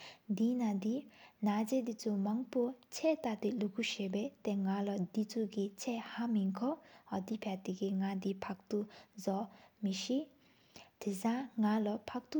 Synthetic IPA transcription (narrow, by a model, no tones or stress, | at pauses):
d̪inad̪inad͡ʑed̪it͡sʰomaŋpot͡ɕʰɛʔt̪at̪ilukuɕebɛt̪ɛŋalɔd̪it͡sʰoɡit͡ɕʰɛʔhamiŋkʰɔɦɔd̪ipʰat̪iɡiŋad̪ipʰak̚t̪uzɔmiɕi | t̪ʰisãŋalɔpʰak̚t̪u